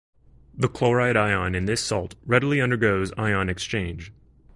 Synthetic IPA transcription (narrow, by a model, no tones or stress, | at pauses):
ðəkʰl̥oʊɹaɪɾaɪɑ̃nɨ̃nðɪsɔ̰lˠt̚ɹɛɾl̩ˠiʌ̃ndə˞ɡoʊza̰ɪɑ̃nɨkst͡ʃʰẽɪ̃nd͡ʒ̥